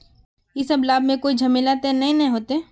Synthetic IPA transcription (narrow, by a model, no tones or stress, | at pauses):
jesɐblaːbmẽkoːid͡ʒʱɐmelaːt̪enɐɦĩnɐɦĩɦoːt̪e